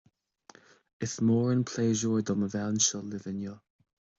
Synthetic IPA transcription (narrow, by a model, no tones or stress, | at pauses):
ɪθmɔːɹənpʰl̥eːʒɔːɹd̪ɔməvawnʃɔlɪvɪnjə